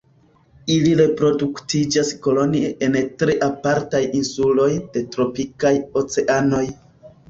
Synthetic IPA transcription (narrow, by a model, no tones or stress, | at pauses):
iliɾe̞pɾo̞duktid͡ʒasko̞lo̞nieʔe̞ntɾeʔapaɾtajinsulo̞jd̥e̞tɾo̞pikajo̞t͡se̞ʔano̞j